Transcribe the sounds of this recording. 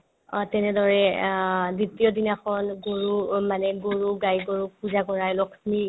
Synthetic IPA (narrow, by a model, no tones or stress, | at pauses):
tɛnɛdɔɹɛ | ditijɔdinakɔnɡoɹumanɛɡoɹuɡajɡoɹupuzaɡɔɹajlɔkʰmi